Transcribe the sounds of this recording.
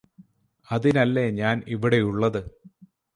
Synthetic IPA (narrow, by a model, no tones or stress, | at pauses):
ɐðinɐlːeɲaːniʋiɽe̞juɭːɐðɨ